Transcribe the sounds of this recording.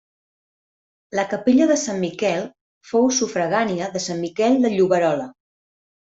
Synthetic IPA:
ləkəpeʎəðəsamːikɛlˠ | fowsufɾəɣaniəðəsammikɛlˠd̪əʎuβəɾɔlə

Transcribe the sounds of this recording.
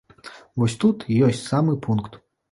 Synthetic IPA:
vɔsʲt̪ut̪ijɔsʲt͡sʲsamɨpʰunkt̪

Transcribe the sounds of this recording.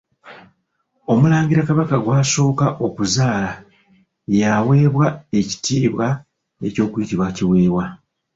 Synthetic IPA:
o̞mulaːŋɡiɾakaβakaɡwaːso̞ːkaʔo̞kuzaːla | jawe̞ːβwae̞ci̥tiːβwa | e̞̰co̞ːkwitiβwaciwe̞ːβwa

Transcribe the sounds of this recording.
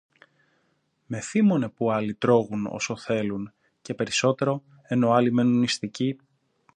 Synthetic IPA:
me̞θimo̞ne̞puɐlit̪ɾo̞ɣuno̰so̞θe̞lun | ce̞pe̞ɾiso̞t̪e̞ɾo̞ | e̞no̞ɐlime̞nunist̪ici

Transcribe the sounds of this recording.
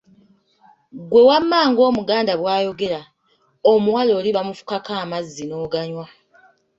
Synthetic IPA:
ɡwe̞wamːaːŋɡo̞ːmuɡaːndaβwaːjo̞ɡe̞ɾa | omuwalo̞ːliβamufu̥kakaːmazːinoːɡaɲwa

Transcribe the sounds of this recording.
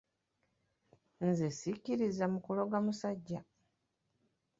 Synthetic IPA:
nzesiciɾizamukulo̞ɡamusaɟːa

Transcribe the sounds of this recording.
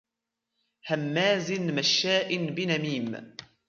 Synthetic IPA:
hamːaːzɪnmaʃːaːʔɪnbɪnamiːm

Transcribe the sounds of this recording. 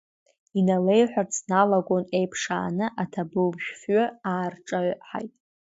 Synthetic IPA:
inale̞jħʷᶣart͡sʰnalaɡʷʼone̞jpʰʂa̰ːnɨʔatʰabɨlbʒᶣfɥʊaːrʈ͡ʂʼaɥħa̰jtʼ

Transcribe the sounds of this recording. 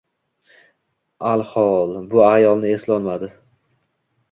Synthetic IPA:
alˠhɒlˠbʊajɒlˠnɪe̞slɒnmad̪ɪ

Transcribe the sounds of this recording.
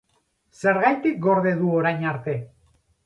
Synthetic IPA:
se̞ɾɣajt̪ik̚ɡo̞ɾðe̞ðuoɾajɲaɾt̪e̞

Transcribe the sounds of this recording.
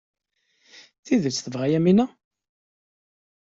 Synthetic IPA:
θiðət͡sːθəvʁæjæminæ

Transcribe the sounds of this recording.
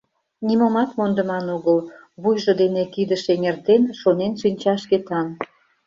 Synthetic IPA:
nimomɑt̪mond̪ə̆mɑnuɣəl | βujʒod̪enekid̪əʃeŋert̪enʃonenʃinʲt͡ɕɑʃket̪ɑn

